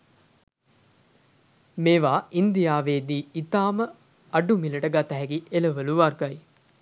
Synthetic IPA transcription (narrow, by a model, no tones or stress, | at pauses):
meːʋaːʔind̪ijaːʋeːd̪iːit̪aːmə | ɐɖumiləʈəɡat̪əɦɛɡiʔeləʋəluʋarɡaj